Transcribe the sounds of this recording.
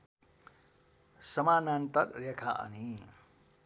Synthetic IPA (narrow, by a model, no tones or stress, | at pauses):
səmanant̪əɾlekʰaʔʌ̰ni